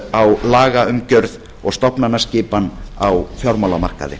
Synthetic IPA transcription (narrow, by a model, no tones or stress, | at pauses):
awlaːɣaʏmcœɾð | ɔɣst̪ɔpnanːascɪːpanawfjɔɾmawlama̰r̥ka̰ðɪ̰